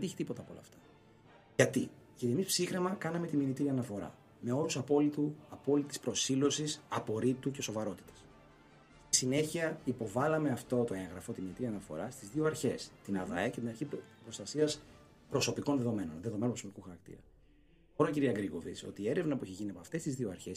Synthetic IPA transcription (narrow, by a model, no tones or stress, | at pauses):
ent̪içi̥t̪ipo̞t̪ɐpolɐ̰ːft̪ɐ̥ | ʝɐt̪i | ʝɐt̪ie̞mispsixɾemɐkɐnɐme̞t̪iminit̪iɾiɐnɐfo̞ɾɐ̰ | me̞o̞ɾusɐpo̞lit̪uɐpo̞lit̪i̥spɾo̞silo̞sisɐpo̞ɾit̪uce̞so̞vɐɾo̞t̪i̥t̪ɐ̥s | st̪i̥sine̞çiɐipo̞vɐlɐme̞ɐft̪o̞t̪o̞ẽŋɣɾɐfo̞t̪iminit̪iɾiɐnɐfo̞̰ɾɐst̪izðioɐɾçe̞st̪inɐðɐ̰ece̞t̪inɐɾçipɾo̞st̪ɐsiɐs | pɾoso̞piko̞nðeðo̞me̞no̞̰nðe̞ðo̞menpɾosopikuxɐɾɐkt̪ḭɾɐ | oɾociɾiɐɡɾiɣo̞̰vḭt͡so̞̰t̪iːe̞ɾe̞vnɐpuiçeʝiniɐpɐft̪e̞st̪izðio̞ɐɾçe̞s